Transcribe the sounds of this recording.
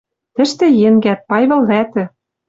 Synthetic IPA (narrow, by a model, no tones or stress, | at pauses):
t̪ɘ̆ʃt̪ɘ̆jĕŋɡæt̪̚pɑjβɤ̆lvæt̪ɘ̆